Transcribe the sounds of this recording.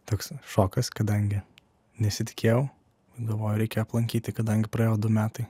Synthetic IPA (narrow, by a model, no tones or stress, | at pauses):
t̪oːksʃoːkɐskɐd̪ɐŋʲɡʲɪ | nʲɛsʲɪt̪ʲɪ̥kʲeːjɛʊ | ɡɐlˠʋoːjʊɾʲɛɪkʲeoɐplˠɐŋʲkʲiːt̪ʲɪkɐd̪ɐŋʲɡʲɪpɾɐeːjod̪ʊmʲæːt̪ɐɪ